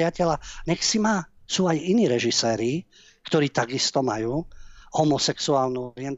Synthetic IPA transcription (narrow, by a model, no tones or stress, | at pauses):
ɪacɛlanɛksimasuːajiniːɾɛʒisɛːɾi | kt̪ɔɾiːt̪aɡist̪ɔmajuːhɔmɔsɛksuaːlnuɔɾɪɛnt̪